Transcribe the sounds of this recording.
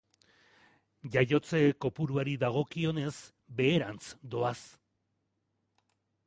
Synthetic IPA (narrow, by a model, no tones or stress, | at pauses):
ʝajo̞t͡se̞ko̞puɾuaɾiðaɣ̞o̞kio̞ne̞s | be̞ːɾant͡sd̪o̞as